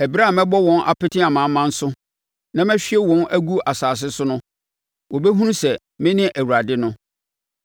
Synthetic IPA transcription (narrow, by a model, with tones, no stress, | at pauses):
æ˨bi˦ɾa˦˨mɛ̃˦bɔ˦wɔ̃˦nʔa̰˨pɪ˦tʰɪ̃˦a˨mã˨˦mːã˦n̩˦sʊ˦ | nã˦mɛ̃˦ɕᶣɪ˦ɛ˦wɔ̃˦næ˦ɡu˦ʔa˨saː˨s̬ɪ˦sʊ˦nʊ̃˦ | wʔɔ˨bɛ˦ɦũ˦nũ˦sɛ˨ | mɪ̃˦nɪ̃˦ʔæ˨wu˨a˨dɪ˦nʊ̃˦